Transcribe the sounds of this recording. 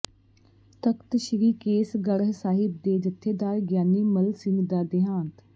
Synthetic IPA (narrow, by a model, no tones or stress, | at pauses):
t̪əkt̪ʃɪɾiːkeːsɡəɽɦsaːɦɪb̚d̪eːd͡ʒət̪ʰːeːd̪aːɾɡjaːniːməlsɪnd̪aːd̪ɪɦãːnt̪